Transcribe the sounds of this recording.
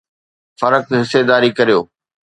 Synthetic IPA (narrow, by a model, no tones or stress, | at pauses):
fɐɾək̚ɦɪsːed̪aːɾikɐɾijo̰ː